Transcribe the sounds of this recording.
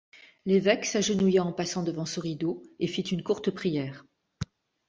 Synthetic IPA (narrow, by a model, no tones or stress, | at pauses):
levɛksaʒənujaɑ̃pasɑ̃d̪əvɑ̃sɔ̃ʁid̪oefit̪ynkuʁt̪əpχijɛːʁ